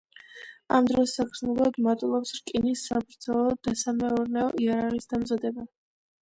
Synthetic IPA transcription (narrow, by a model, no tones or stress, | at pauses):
a̰md̪ɾɔsːakʰɾsnulˠad̪maɾt̪ʼlˠɔpsɾkʼinisːabɾd̪z̥ɛlˠɔd̪̥asamɛɔɾnɛɔʔiaɾaʁisd̪amzad̪ɛba